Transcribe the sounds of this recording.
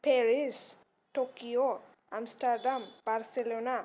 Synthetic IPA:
peɹis | tokijo | a̰mstaɾdamb̥aɹselona

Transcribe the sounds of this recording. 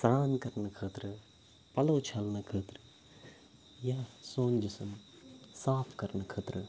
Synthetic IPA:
sɾaːnkɐɾnɨkʰəːt̪ɾɨ | pɐlɐːt͡ʃʰalnɨkʰəːt̪ɾɨ | jaːsoːnd͡ʒisɐm | saːpʰkɐɾnɨkʰɐːt̪ɾɨ

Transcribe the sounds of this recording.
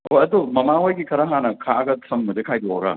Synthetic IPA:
ojɐdomɐmaojɡikʰɐɾɐɦanɐkʰaɐɡɐsʰɐmːɐd͡ʒekʰajdoɐɡɐ̰

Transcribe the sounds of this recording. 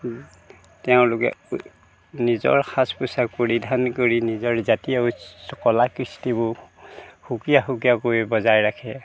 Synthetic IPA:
tɛʊ̃lʊkɛ̰ | nizɔ̰ɹxʰaspʊsakpoɹidʱankoɹinizɔɹzatijasɔkɔlakɹistibʊ | hukijaxuk̬ijakoibɔzajɹakʰɛ

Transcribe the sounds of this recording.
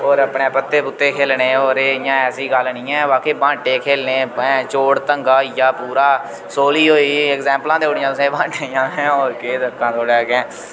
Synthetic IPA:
oːɾəpneːpət̪ːeːpʊt̪ːeːkʰeːlneːoːɾeːɪjãːɛːsiːɡəlnĩːɛ̃ːʋaːkeːbãːɳʈeːkʰeːlneːɛ̃ːt͡ʃoːɽt̪əŋɡaːjaːpuːɾaː | soːliːɦoːiːɛkzɛ̃ːmplãːd̪eːoɽɪjãt̪ʊsẽbãːɳʈejãːɦɛ̃ːoːɾkeːd̪əkːãːt̪oːɽɛːɡɛ̃ː

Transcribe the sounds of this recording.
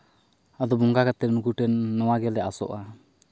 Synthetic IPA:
ad̪ɔbɔŋɡakat̪ɛnukuʈɛnːɔwaɡɛlɛasɔ̰ʔa

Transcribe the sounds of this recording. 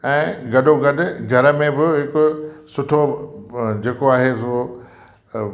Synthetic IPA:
ɛ̃ːɡɐɗoɡɐɗʊ̆ɡʱɐɾəmẽbɪɦɪkʊsʊʈʰo | d͡ʑeːkoaːɦeːsoː

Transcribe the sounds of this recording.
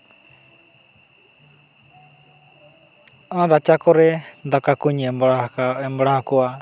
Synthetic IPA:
ãɾat͡ʃakɔɾɛd̪akakuɲɛ | ɛmbɽahakɔa

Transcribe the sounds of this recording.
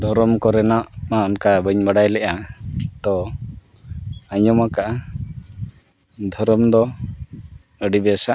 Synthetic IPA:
d̪ʱɔɾɔmkɔɾɛnaʔmaɔnkabəɲbaɖajlɛʔat̪ɔ | aɲɔmakaʔa | d̪ʱɔɾɔmd̪ɔ | əɖibɛsaʔ

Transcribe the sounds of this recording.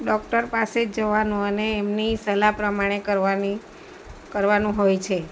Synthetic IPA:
ɖɔkʈəɾpased͡ʒəʋanũəneːmnisəlapɾəmaɽ̃ekəɾʋani | kəɾʋanũɦojt͡ʃʰe

